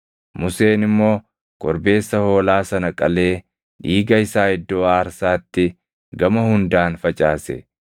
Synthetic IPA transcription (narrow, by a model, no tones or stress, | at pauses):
mʊse̞ːnɪmːo̞ː | kʼɔɾbe̞ːsːɐho̞ːlaːsɐnɐkʼɐle̞ː | ᶑiːɡɐɪsaːhɪd̪ːoːaːɾsaːt̪ːɪ | ɡɐmɐhʊnd̪aːnfɐt͡ʃʼaːsɛ̰